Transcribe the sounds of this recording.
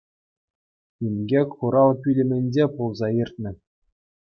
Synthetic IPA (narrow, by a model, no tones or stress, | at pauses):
imʲɡʲekʲχuɾɑlˠkʲylʲɘ̆mʲɘ̆nʲd͡ʑepulˠzɑirʲt̪̚ʲnʲɘ̆